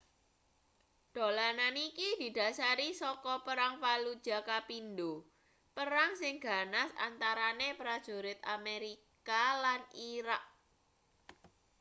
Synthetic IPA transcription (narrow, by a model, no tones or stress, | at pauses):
d̪̥o̤lananikid̪̥i̤d̪̥a̤saɾisɔkɔpəɾaŋpalud̥ʒ̥a̤kapindo | pəɾaŋsɪŋɡ̥a̤nasa̰nt̪aɾanepɾad̥ʒ̥o̤ɾɪt̪̚ameɾi | kalaniɾak̚